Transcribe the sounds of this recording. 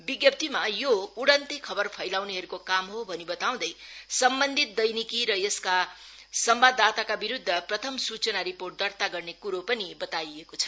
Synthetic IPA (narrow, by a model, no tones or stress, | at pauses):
biɡjʌp̚t̪imajouɽʌnt̪ikʰʌbʌrpʰʌjlawneɦʌɾukokamɦobʱʌnibʌt̪aw̃d̪ʌjsʌmbʌnd̪ʱit̪̚d̪ʌjnikiɾʌjeska | sʌmbad̪ːat̪akabiɾud̪ʱːʌprʌt̪ʰʌmsut͡sʌnaɾiporʈ̚d̪ʌrt̪aɡʌrnekuɾopʌnibʌt̪ajekot͡sʰʌ̥